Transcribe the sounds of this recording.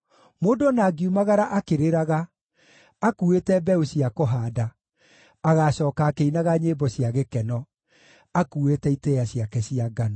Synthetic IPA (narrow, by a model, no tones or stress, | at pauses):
moːdoɔnaːɡiumaɣaɾaʔakeɾeɾaɣaː | kuetɛbɛoɕiakoɦaːdaː | ɣaɕɔːkaːkeinaɣaɲeːbɔɕjaɣekɛnɔ | akuetɛitɛjaɕiakɛɕiaɡana